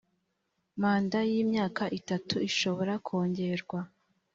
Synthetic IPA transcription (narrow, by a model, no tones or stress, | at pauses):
maːndajiːmɲaːkaʔitatʰuiʃo̞βo̞ɾakʰoːɲɟe̞ɾɡwa